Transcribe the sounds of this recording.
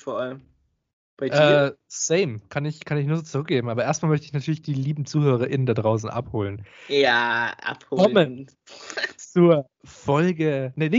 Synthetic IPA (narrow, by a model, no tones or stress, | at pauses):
fɔɐʔaləm | b̥aɪʔɛːsɛɪmkʰanɪçkʰanɪçnuːɐzoːt͡suʁʏk̚ɡ̥eːbm̩ʔaːbɐʔeːɐst̚malmœçtəɪçnatʰyːɐlɪçd̥iːliːbm̩t͡suːhøːʁ̞ɐʔɪnəndadʁaʊs̬n̩ʔa̰phoːlənjaːʔa̰phoːkɔmən | t͡suɐ | fɔlɡənənɪ